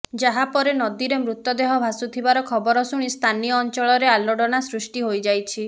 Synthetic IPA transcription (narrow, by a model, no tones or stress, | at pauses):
d͡ʒaɦapɔɾenɔd̪iɾemɾut̪ːɔd̪eɦɔbʱasut̪ʰibaɾɔkʰɔbɔɾɔsuɽ̃ist̪ʰanijɔːnt͡ʃɔɭɔɾealɔɽɔnasɾusʈiɦojd͡ʒajt͡ʃʰi